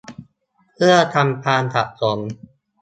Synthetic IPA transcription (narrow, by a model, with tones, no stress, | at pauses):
pʰɯ˥˩ɐt̪ʰa˧mpʰaː˧ntʰa̰˨˩ʔ̚so˩˦m